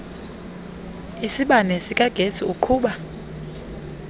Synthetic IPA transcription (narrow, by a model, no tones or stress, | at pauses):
isiɓanɛsik̬ʼaɡ̥ʱesiukʰuːɓa